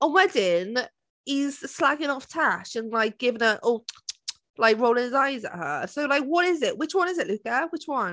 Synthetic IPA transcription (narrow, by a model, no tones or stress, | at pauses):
ə̃nwɛdɪ̃n | ɪz̥slaɡɪ̃ŋɒftʰaʃə̃nlaɪk̚ɡ̥ɪvɪ̃ŋəʔʔɔ | laɪkɹoʊlɪ̃ŋɪzaɪzə̰ʔɦəsoʊlaɪkwɒɾɪzɪʔwɪt͡ʃwʌ̃nɪzɪʔlʉkəwɪt͡ʃwʌ̃n